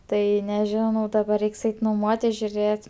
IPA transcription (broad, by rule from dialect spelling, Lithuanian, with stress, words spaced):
ˈtɐɪ nʲɛˈʒʲɪnɐʊ dɐˈbɐr ˈrʲɛɪks ˈɛɪtʲɪ noːˈmuɔtʲɪs ʒʲʊˈrʲeːtʲ